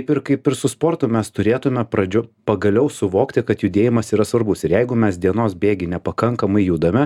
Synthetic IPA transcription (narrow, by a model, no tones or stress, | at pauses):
pɪɾkɐɪpɪɾsʊspoːɾt̪ʊmʲɛst̪ʊɾʲeːt̪ʊmʲɛpɾɐd͡ʒʲʊpɐɡɐlʲɛʊsʊʋoːkt̪ʲɪkɐt̪jʊd̪ʲeːjɪmɐsiːɾɐsʋɐɾbʊsɪɾjɛɪɡʊmʲɛsd̪ʲiɛnoːsbʲeːɡʲɪnʲɛpɐkɐŋkɐmɐɪjuːd̪ɐmʲɛ